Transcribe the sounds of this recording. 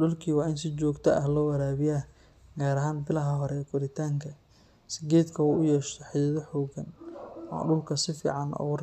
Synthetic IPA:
ɗʊlkʰiːwɑːɪnsɪt͡ʃɔːɡt̪ʰɐʔɐhlɔːwɐɾaːβɪjaː | ɡaːɾɐɦaːnbɪlɐɦɐɦɔɾɛːkʰʊɾɪt̪ʰaːŋkʰɐ | sɪɡɛːd̪kʰɐuːʔʊjɛːʃt̪ʰɔħɪjɐðɔħɔːɡɐnɔ̰ɖʊlkʰɐsɪfḭːʕɑnɔ̰ːwɐr

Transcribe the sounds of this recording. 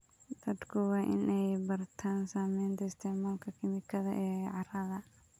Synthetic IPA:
t̪ʰɐd̪kʰʊwɑːʔɪnʔɛjbɐrt̪ʰaːnsaːmɛjnt̪ʰɐɪst̪ʰɛːʕmɔlkʰɐkʰɪmɪkʰɐðɐ̰ʔɛːʕɑrɐðɐ

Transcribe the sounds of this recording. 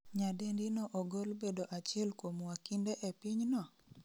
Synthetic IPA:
ɲadendinɔʔoɡolbedoʔat͡ʃɪɛlkomwakindeʔepiɲnɔ

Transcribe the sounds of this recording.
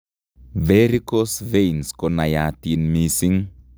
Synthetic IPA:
veɾikosvejnskonajat̪inmisiŋ

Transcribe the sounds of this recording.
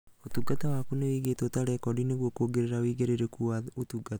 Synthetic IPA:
ot̪uɡatawaːkunewiɡetɔːtaɾɛkɔdineɣwɔkoːɡeɾeɾawiːɡeɾeɾekuaotuɡatḁ

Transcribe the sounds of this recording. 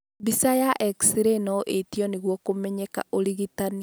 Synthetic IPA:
bisajaʔɛksiɾenɔʔetiɔneɣwɔkomɛɲeka̰ʔoliɣitani

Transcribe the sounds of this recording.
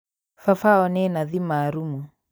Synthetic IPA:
fafaɔnɛnaðimaɾumu

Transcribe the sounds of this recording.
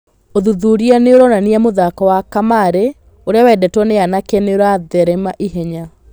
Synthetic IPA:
oðuðuɾianeoɾɔnaniamoðakɔwakamaɾe | oɾeawɛdɛtwɔneanakeneoɾaðɛɾɛmaʔiɦɛɲa

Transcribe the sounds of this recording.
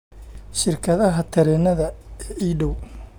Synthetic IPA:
ʃɪrkʰɐðɐɦɐt̪ʰɐɾɛːnɐðɐɛʔiːɖɔw

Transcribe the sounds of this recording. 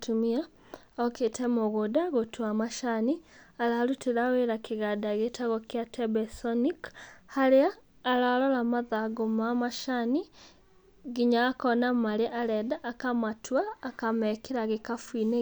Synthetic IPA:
tumia | oketʰɛmoɣodaɣotwamaʃanialaɾutiɾaweɾakiɣadaɣetaɣɔkjatʰɛbɛsɔnikhaɾeaː | lalɔlamaðaɡomamaʃani | ɣiɲakɔnamaɾeʔaɾɛdaʔːkamatʰwaːkamɛkeɾaɣekafwine

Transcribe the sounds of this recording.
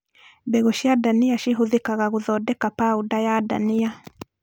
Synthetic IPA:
bɛɣoʃjadaniaʃiɦoðekaɣaɣoðɔdɛkapaudajada̰nia

